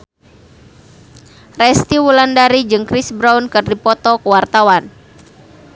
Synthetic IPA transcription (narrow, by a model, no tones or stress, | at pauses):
rɛst̪iwulandaɾid͡ʒɨŋkɾisbɾaunkɨrdipɔt̪ɔkəwart̪awan